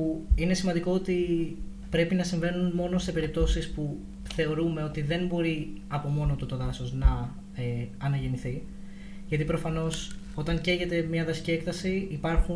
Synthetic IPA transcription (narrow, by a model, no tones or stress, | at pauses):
uine̞simɐnd̪iko̞ot̪i | pɾe̞pinɐsiɱve̞nunmo̞no̞se̞pe̞ɾip̚t̪o̞sispu | θe̞o̞ɾume̞o̞t̪iðe̞nbo̞ɾiɐpo̞mo̞not̪ut̪o̞ðɐsoznɐ | eɐnɐʝe̞niθi | ʝɐt̪ipɾo̞fɐno̞s | o̞t̪ɐŋce̞ʝe̞t̪e̞mɲɐðɐsi̥cie̞k̚t̪ɐsiipɐɾxu